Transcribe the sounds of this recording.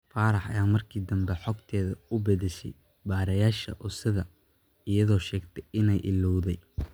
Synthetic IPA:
faːɾɑħɐ̰jaːmɐrkʰiːd̪ɐmbɛħɔɡt̪ʰɛːðɐʊbɛðɪʃɛ̰j | baːɾɐjaːʃɐ̰ʔʊsɐðɐ | ɪjɐðɔːʃɛːɡt̪ʰɛjʔɪnɛjʔɪlɔwðɛj

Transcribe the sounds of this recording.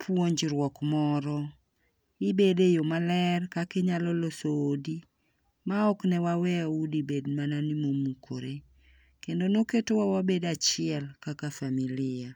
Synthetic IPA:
pʰwoɲd͡ʒɾwɔkmɔɾɔ | ɪbedejomalɛrkakeɲalɔlosoːdi | maɔknɛwawɛaudibedmananimomukʰo̰ɾe | kendonoketowawabedat͡ʃɪɛlkakafamilɪa

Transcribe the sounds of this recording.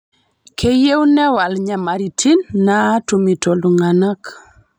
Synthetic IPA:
kʰejewnewalɲamaɾitʰinːatumitoluŋanak

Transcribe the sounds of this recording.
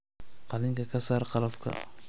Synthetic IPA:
qɑlɪŋkʰɐkʰɐsaːɾqɑlɐbkʰɐ̰

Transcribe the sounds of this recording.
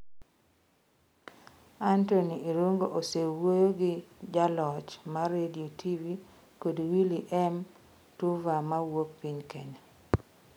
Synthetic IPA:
antonieɾuŋɡoʔosewojoɡɪd͡ʒalɔt͡ʃmarediotʰivi | kodwiliʔɛm | tuvamawok̚piɲkeɲa

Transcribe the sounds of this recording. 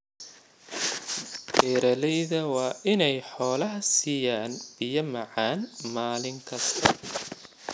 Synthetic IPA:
d̥ɛːɾɐlɛjðɐwɑːʔɪnɛjħɔːlɐɦɐsiːjaːnb̥ɪjɐmɑʕaːnmaːlɪŋkʰɐst̪ʰɐ

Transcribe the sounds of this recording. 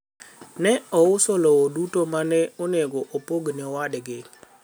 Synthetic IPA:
nɛɔʊsɔlɔwodutomanɛoneɡɔʔopoɡnɔwadɡɪ

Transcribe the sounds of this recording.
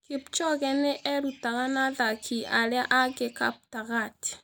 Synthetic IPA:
kept͡ʃɔɣɛneʔɛɾutaɣanaðakʰiaɾeaʔaɣeka̰p̚taɣati̥

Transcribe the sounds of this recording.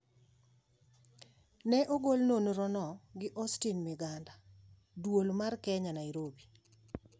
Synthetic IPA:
nɛʔoɡolnonɾɔnɔɡɪʔɔstinmɪɡanda | dwolmarkɛɲanaiɾobi

